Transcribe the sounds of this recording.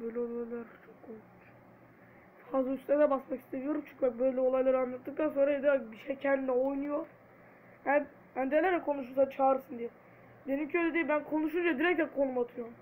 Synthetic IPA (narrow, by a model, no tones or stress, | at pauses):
bøjlʲɛolˠajlʲˠaɾt͡ʃʰokːʰoj̪ | t͡ʃ | fazˠayst̪ɛd̪ɛbasmaki̥st̪ʰeɾijoɾumt͡ʃʰu̥cvabøjlʲɛo̞lˠajlˠaɾɯanlːˠat̪ːɯk̚t̪anso̞nɾaed̪iabiʃɛjcʰɛnd̪inɛojnujo̞ɾ | æn | ænd̪ɛlʲɛɾɛkʰo̞nuʃ̬uɾsat͡ʃʰaːɾɯsɯnd̪ijɛ | d̪e̞nimcʰiøjlʲɛd̪ijɛbænkʰo̞nuʃ̬und͡ʒad̪iɾɛc̪̚ʲɛkʰo̞numat̪ʰɯjom